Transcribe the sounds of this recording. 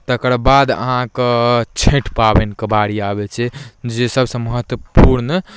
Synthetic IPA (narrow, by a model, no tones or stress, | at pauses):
t̪əkəɾbad̪ə̰ɦãket͡ʃʰeʈpabenkəbaɽiabɛt͡ʃʰɛd͡ʒesəbsə̃məɦət̪wəpuɾn